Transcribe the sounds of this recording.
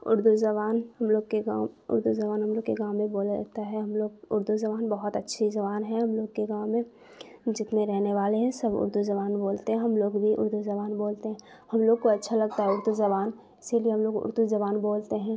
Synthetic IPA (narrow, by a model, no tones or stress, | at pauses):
ʊ̰ɾd̪uzɐβaːnhɐmloːɡ̚keɡaːʊ̰ɾd̪uzɐbaːnɦɐmloːɡkeɡãːmːẽboːl̰t̪aɦɛɦɐmloːɡʊɾd̪uzɐbaːnbɐɦɔt̪ɐtːʃʰizɐβaːnɦɛ̃ɦɐmloːɡkeɡaːẽ | d͡ʒɪt̪mẽɾɛɦneʋaːleɦɛ̃sɐbʊ̰ɾd̪uzɐβaːnboːlt̪eɦɛ̃ɦɐmloːɡbʱiʔʊ̰ɾd̪uzɐbaːnboːlt̪eɦɛ̃ː | hɐmloːɡ̚koɐtːʃʰalɐɡt̪aɦɛʊɾd̪uzɐβaːn | ɪsilieɦɐmloːɡʊ̰ɾd̪uzɐbaːnboːlt̪eɦɛ̃ː